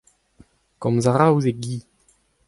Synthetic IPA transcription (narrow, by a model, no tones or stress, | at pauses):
kɔmzaʁawzeɡiː